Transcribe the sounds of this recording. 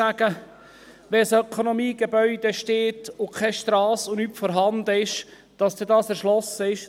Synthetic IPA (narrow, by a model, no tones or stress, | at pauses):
æɡ̥ə | ʋɛsœkʰonomiːɡ̥ebœʏd̥̪eʃteːtʊkʰɛʃt̪ɾɑːsʊnyːpfɔɾɦɑnd̪əɪʃ | d̥ɑsd̥̪ɛdɑːsɛɾʃlɔsəɪʃ